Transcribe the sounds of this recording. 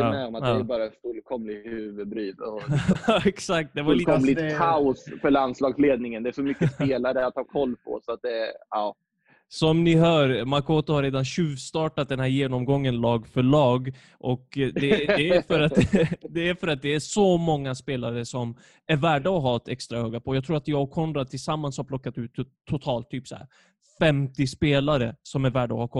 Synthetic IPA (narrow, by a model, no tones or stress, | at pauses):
ɛɔmat̪dːɛbɑːɾafɵlkʰɔmlɪhʉːvəbɾyːd̪ɔ | ɛksak̚t̪̚d̪ɛvakɔmlɪaʊsfœɭand̪slɑːɡsleːd̪nɪŋənd̪ɛæɾfœɾmʏkəspeːlaɾəat̪hɑːɾkʰɔlːpʰɔ̰sɔat̪̚d̪ɛɑː | sɔmnɪɦœːɾmaɾkʰoːt̪ʊhaɾeːd̪anɕʉ̟ːvst̪ɑːʈat̪̚d̪ɛnɦæːɾjeːnɔmɡɔŋːənlɑːɡfœɭɑːɡ | ʔɔkd̪ɛɛfœɾat̪d̪ɛæfœɾat̪̚d̪ɛæʂɔmɔŋːaspeːlaɾəsɔm | æɾvæːɖaɔɦɑːt̪ʰɛkst̪ɾahøːɡapʰɔːjɑɡ̚t̪ʰɾuːɾat̪jɑːɔkʰːɔnd̪ɾat̪ʰɪlsamːanshapʰlɔkːat̪ʉ̟ːt̪ʰː | ʊt̪ʰɑːlt̪ʰːyːpsæ̰ɾ | fɛmt̪ɪspeːlaɾəsɔmæɾvæːɖaɔ̰hakʰɔ